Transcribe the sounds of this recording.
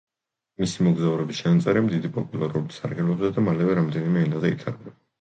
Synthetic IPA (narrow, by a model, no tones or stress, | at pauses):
misimɔɡzauɾɛbist͡ʃanat̪sʼɛɾɛmd̪id̪ipʼɔpʼulˠaɾulit̪sa̰ɾɡɛlɔbzad̪amalɛvɛɾamd̪ɛnimɛinazɛit̪ʰa̰ɾɡna